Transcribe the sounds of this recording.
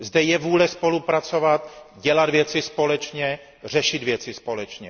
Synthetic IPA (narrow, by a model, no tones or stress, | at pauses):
zd̪ɛjɛvuːlɛspo̞lupɾat͡so̞vat̪ɟɛlad̪vjɛt͡sɪspo̞lɛt͡ʃɲɛ | r̝ɛʃɪd̪vjɛt͡sɪspo̞lɛt͡ʃɲɛ